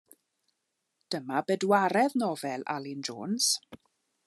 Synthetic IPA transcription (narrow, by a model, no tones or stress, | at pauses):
d̥əmabɛdwaɾɛðnɔvɛla̰lɪnd͡ʒo̰ːns